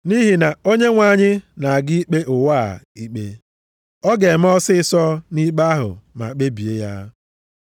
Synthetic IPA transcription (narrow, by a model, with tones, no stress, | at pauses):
ni˦ɦi˨na˨o˦ɲe˦ŋʷa˨ɲɪ˦na˨a˨ɡɪ˦i˦k͡pe˦ʔʊ˨wa˦˨i˦k͡pe˦ | ɔ˦ɡe˨m̩˦ɔ˦sɪ˦sɔ˦ni˦k͡pa˦ɦʊ̰˨ma̰˨k͡pe˦bi˨e˦ja̰˦